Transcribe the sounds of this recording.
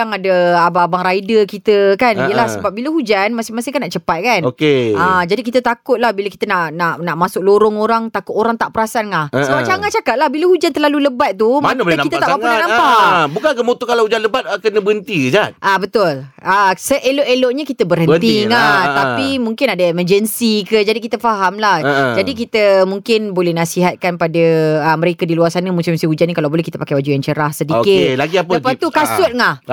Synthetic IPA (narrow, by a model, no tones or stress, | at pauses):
kaŋadəabaabaŋɾaidəkit̪əkaniijəlahsəbap̚biləɦud͡ʒanmasmasɪŋkanaʔt͡ʃəpat̪̚kanokead͡ʒadikit̪ət̪akʊt̪̚lahbiləki̥t̪ənaʔnaʔnaʔmasʊk̚loɾʊŋoɾaŋt̪akʊt̪oɾaŋt̪aʔpəɾasanlahsəbaʔt͡ʃaŋaʔt͡ʃakat̪̚lahbilahud͡ʒant̪ərlaluləbat̪̚ːumanakit̪at̪aʔpaunanampabukaŋkəmot̪okalahud͡ʒanləbat̪̚akənəbəənt̪id͡ʒaʔabət̪ʊləsəʔeloʔeloʔɲãkit̪əbərɦəniŋat̪apimũŋkɪnadaeməd͡ʒənsikəd͡ʒadikit̪əfaɦamlahd͡ʒadik̬it̪əmuŋkɪnbolɛnasiɦat̪̚kanpadəəməɾekadiluarsanəmũsimsiɦud͡ʒanĩkalawbolɛhkit̪əpakajwad͡ʒujant͡ʃəɾahsədiokɪlaɡiappaukasʊt̪̚ŋah